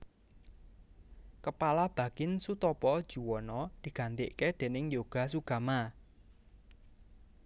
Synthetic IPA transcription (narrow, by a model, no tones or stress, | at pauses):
kəpalab̥a̤kɪnsut̪ɔpɔd̥ʒ̥ṳwɔnɔd̪̥i̤ɡ̥a̤nt̪ɪʔked̪̥e̤nɪŋjoɡ̥a̤suɡ̥a̤ma